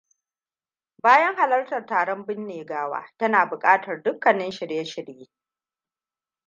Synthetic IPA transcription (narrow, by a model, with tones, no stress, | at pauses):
baː˦jɐ˦ŋɦa˨lɐ˦rtɐ˨rtaː˨ɽɔ˦mbɪ˦nːeː˨ɡaː˦wa̰ː˦tɐ˦naː˨bʊ˨kʼaː˦tɐ˨rdʊ˦kːɐ˨nɪ˦nʃɪ˨ɽjɐ˦ʃɪ˨ɽjeː˦